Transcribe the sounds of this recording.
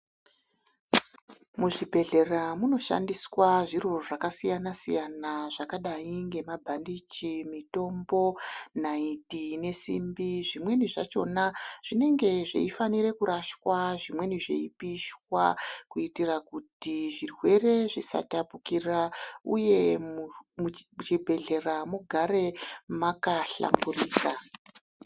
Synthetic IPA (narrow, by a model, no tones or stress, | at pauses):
muʐibʱe̞ɮe̞ramuno̞ʃa̰ndiswaʐirooʐakasijanasḭjanaʐakaɗaiŋɡe̞mabʱandit͡ʃimito̞mbo̞naitine̞sḭmbiʐimwe̞niʐa̰t͡ʃo̞̰naʐ̥ine̞ŋɡe̞ʐḛifaniɾe̞kuɾaʃwaʐimwe̞niʐḛipiʃwa̰kuitirakutiʐirwe̞re̞ʐisa̰tapukiraṵje̞ | mt͡ʃibʱe̞ɮe̞ramuɡʱaɾe̞makaɬa̰mburiːka